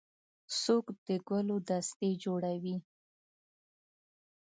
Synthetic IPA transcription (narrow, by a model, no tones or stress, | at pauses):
sokd̪̥əɡəlod̪ast̪ed͡ʒoɽawi